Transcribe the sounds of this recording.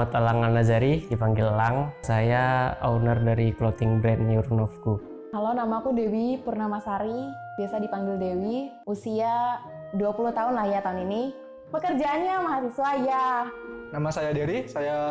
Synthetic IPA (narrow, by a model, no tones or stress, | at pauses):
at̪alaŋanad͡ʒaɾidipaŋɡɪllaŋsajaa̰unərdaɾiklɔt̪ɪŋbɾɛnjurnɔfku | kalonamakudewipurnamasaɾi | biasadipaŋɡɪldewi | usia | duapuluht̪aʊnlahjat̪aunini | pəkərd͡ʒaːnɲamaɦasisuaja | namasajadeɾisaja